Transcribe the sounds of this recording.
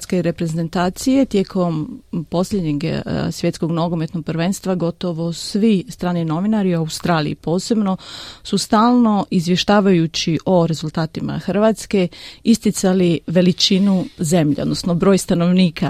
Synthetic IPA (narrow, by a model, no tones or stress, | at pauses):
skeɾe̞pɾe̞ze̞nt̪aːt̪sije̞t̪jekʰo̞mpo̞sʎʲed̪ɲeɡsʋje̞t̪sko̞ɡnoɡome̞t̪no̞ɡ̥̚pɾʋe̞nst̪ʋaɡo̞t̪o̞ʋo̞sʋist̪ɾaːnino̞ʋinaɾioawust̪ɾaːlḭḭpo̞ːse̞bno̞sust̪aːlˠno̞ʔizʋje̞ʃt̪aːʋajut͡ɕiʔo̞ɾe̞zulˠt̪aːt̪ima̰xr̩ʋat̪ske̞ist̪it̪saliʋe̞lit͡ʃinuze̞mʎʲḛo̞d̪no̞snobɾo̞ːjst̪ano̞ʋniːkʰa